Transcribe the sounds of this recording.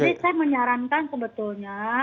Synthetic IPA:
disajaməɲaɾankankəbət̪ʊlɲa

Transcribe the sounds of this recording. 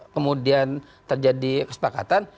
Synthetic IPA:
kəmudian | t̪ərd͡ʒadikəsə̥paka̰t̪an

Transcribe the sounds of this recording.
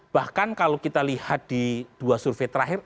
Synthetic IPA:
b̥ahkankalokit̪alihat̪̚d̪̥id̪̥uasurfet̪ɾaɦɪr

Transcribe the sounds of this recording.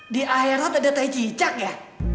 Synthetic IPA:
diʔaɛɾat̪adat̪ait͡ʃit͡ʃak̚jah

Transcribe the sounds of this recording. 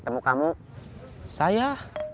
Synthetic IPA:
t̪əmukamu | saja

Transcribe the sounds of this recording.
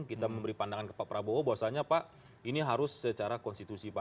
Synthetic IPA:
kit̪aməmbəɾipandaŋankəpapəɾabowobawasaɲapaʔ | iniɦaɾʊsːət͡ʃaɾakɔnst̪it̪usipa

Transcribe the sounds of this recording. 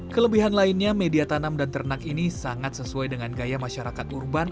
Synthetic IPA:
kələbiɦanlainɲamediat̪anamdant̪ərnakinisaŋat̪səsuajdəŋanɡajamaʃaɾakat̪urban

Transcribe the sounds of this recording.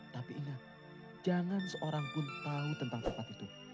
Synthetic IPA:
t̪apiinah | d͡ʒaŋansəʔoɾaŋɡʊnt̪aut̪ənt̪aŋt͡ʃət̪apit̪u

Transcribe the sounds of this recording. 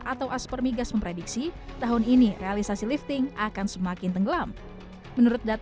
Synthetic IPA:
ʔat̪awʔaspərmiɡasməmpɾedik̚sit̪aɦʊninirealisasilift̪ɪŋakansəmakɪnt̪əŋɡəlam | mənuɾʊt̪̚dat̪

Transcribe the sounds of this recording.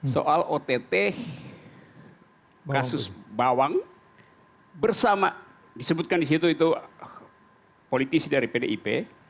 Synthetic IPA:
so̰ʔalot̪et̪ɛ | kasʊsbawaŋ | bərsama | disəbut̪̚kandis̬it̪uit̪u | polit̪isidaɾipedeʔipe

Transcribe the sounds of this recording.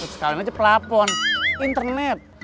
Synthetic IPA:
sə̥kalimat͡ʃəplapɔnʔint̪ərnɛt̪̚

